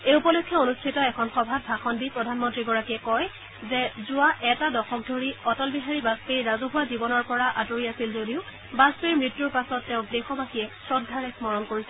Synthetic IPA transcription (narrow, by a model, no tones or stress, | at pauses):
eupɔlɔkʰːjɔonustʰitɔɛkʰɔnxɔbʱab̚bʱaxɔndipɹɔdʱanmɔntɹiɡɔɹakiɛkɔj | zɛzʊaʔɛtadɔxɔk̚dʱoɹiɔtɔlbiɦaɹibaspeɹɹazoɦʊwazibɔnɔɹpɔɹaʔatoɹiasilzodiʊ | baspeɹmɹitːjuɹpasɔtːɛʊ̃dɛxɔbakiɛsɹɔd̚ɡʱaɹɛsmɔɹɔnkoɹisɛ